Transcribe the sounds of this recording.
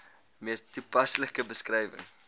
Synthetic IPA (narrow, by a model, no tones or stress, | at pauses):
miəstːupɐsləkəbəskrɛjvə̰ŋ